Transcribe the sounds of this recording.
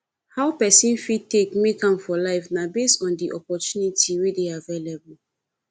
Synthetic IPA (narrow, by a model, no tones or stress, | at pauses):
haʊpɛsĩnfitekmekãmfɔlaɪfnabestɔ̃ndiʔɔpɔtunitʰiwedeavelebul